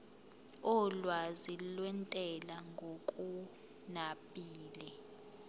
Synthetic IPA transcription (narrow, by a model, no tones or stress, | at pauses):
ɔlwazilwɛntʼɛlaŋɡʱokʼu | napʼiːlɛ